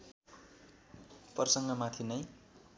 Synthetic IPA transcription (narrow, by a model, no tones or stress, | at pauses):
pʌrsʌŋɡʌmat̪ʰinʌj